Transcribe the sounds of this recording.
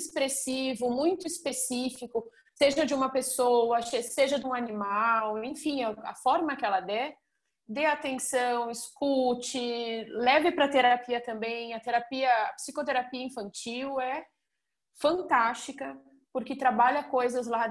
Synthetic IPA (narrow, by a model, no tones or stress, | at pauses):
spɾesivʊmũj̃t̪ʊispesifikʊ | seʒɐd͡ʒɪũmɐpesowɐseseʒɐd̪ɪũanimawẽfĩɐɐ̰fɔɾmɐkɪɛlɐd̪ɛ | d̪eat̪ẽsɐ̃w̃ɪskut͡ʃɪlɛvɪpɾɐt̪eɾaapiɐt̪ɐ̃mbẽj̃ɐt̪eɾapiɐɐpsikot̪eɾapiɐĩfɐ̃nt͡ʃiwɛ | fɐ̃nt̪ast͡ʃikɐ | poɾkɪt̪ɾabaʎɐkojzɐzla